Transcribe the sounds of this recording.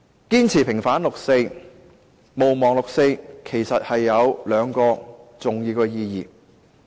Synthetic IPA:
kiː˥nt͡sʰiː˨˩pʰɪ˨˩ŋfaː˨˥nlʊ˨k̚se˧j | mo˨wmɔː˨˩ŋlʊ˨k̚se˧jkʰe˨˩jsɐ˨t̚hɐ˨jːɐ˨˧wlœː˨˧ŋkɔː˧t͡sʊ˨ŋjiː˧kɔː˧jiː˧jiː˨˩

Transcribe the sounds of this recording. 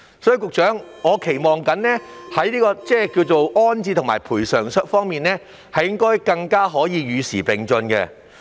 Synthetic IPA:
sɔː˨˥y˧kʊ˨k̚t͡ʃœː˨˥ŋŋɔː˨˧kʰe˨˩jmɔː˨ŋkɐ˨˥nnɛː˥hɐ˨˥jniː˥kɔː˧t͡sɛː˥˩kiː˧wt͡so˨wɔː˥nt͡siː˧t̪ʰʊ˨˩ŋmaː˨˩jpʰuː˨˩jsœː˨˩ŋsə˥t̚fɔː˥ŋmiː˨nɛː˥ | hɐ˨jɪ˥ŋkɔː˥jkɐ˧ŋkaː˥ɦɔː˨˥jiː˨˧ɥyː˨˧siː˨˩pe˨ŋt͡sɵ˧nkɛ̰˧

